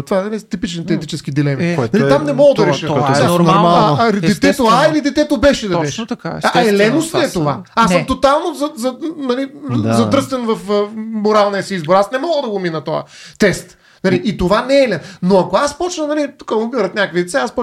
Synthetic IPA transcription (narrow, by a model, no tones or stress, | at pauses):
t̪vaɛnɐlit̪ipit͡ʃnit̪ɛɛt̪it͡ʃɛskid̪ilɛminɐliamnɛmɔɡˠəd̪ɐɾɛʃəanɾnɾmalˠid̪ɛt̪ɛt̪oailid̪ɛt̪ɛt̪obɛʃɛd̪ɐɛʃkaɛlɛnosɛɛt̪ovaasəmt̪ot̪alˠnozɐzɐnɐlizɐd̪ɾɤst̪vɛnvɐfmoɾalˠniəsiizboɾasnɛmɔɡˠəd̪ɐɡominɐt̪ɔə̰t̪ɛst̪ | nɐliʔit̪ovanɛlɛnnoɐkoaspɔt͡ʃnənɐlit̪u̥kɐmobiɾət̪nʲakəkvid̪ɛt̪saaspɔ